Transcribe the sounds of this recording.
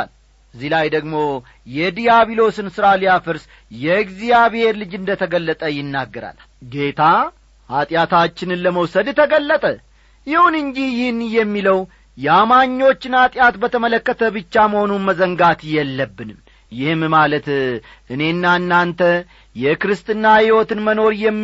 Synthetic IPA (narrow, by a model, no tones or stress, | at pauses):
l | ʔɨzːihlajd̪əɡmo̞ | jɛd̪ijaβilo̞sɨnsɨɾalijafɨɾs | jɛɡzijaβhe̞ɾlɨd͡ʒɨnd̪ət̪ʰəɡəlːət̪ʼəjɪnːaɡːəɾa̰l | ɡe̞t̪ʰa | hat̪ʼjat̪ʰat͡ʃːɪnɨnləməwsəd̪t̪ʰəɡəlːət̪ʼə | jɪhunɨɲd͡ʒijɪhnjɛmːiləw | jɛamaɲːo̞t͡ʃːɪnhat̪ʼjat̪bət̪ʰəmələkːət̪ʰəbɨt͡ʃːaməho̞numəzəŋɡat̪jɛlːəbːɨnɨm | jɪhɨmmalət̪ | ʔɨne̞nːanːant̪ʰə | jɛkɾɨst̪ʼɨnːahiwot̪ɨnməno̞ɾjɛmː